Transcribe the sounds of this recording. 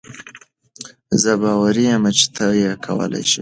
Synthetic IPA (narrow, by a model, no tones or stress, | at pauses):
zəbɑwaɾijamat͡ʃe̥t̪ʰəjekʰawə̰la̰jʃim